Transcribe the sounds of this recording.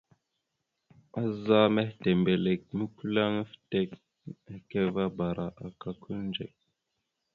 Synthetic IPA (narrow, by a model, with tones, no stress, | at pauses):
a˦za˦me˦hte˨mbe˨le˨k̚mi˦ku˦la˦ŋ˦fi̥˨te˦k | ke˦va˦ba˨ɾa˨ʔa˨ka˦kʰu˦nnd͡ʒḛ˨k̚